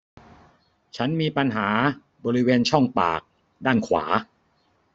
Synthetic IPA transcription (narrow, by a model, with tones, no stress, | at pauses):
t͡ɕʰa˦˥nmiː˧pa˧nɦaː˩˦ | bɔː˧ɾi˦˥weː˧nt͡ɕʰɔ˥˩ŋpa̰ː˨˩k̚ | daː˥˩nkʰwa̰ː˩˦